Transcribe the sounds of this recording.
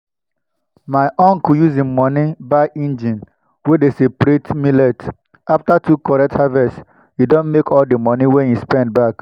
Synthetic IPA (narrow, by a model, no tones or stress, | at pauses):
maɪʔɔ̃ŋkjuzimɔnibaɪʔĩnd͡ʒĩn | wedesepɾetmilɛt | aftatʰukɔɹɛk̚thavɛs | judõnmekɔldimɔniwɛ̃njuspɛ̃nd̚bak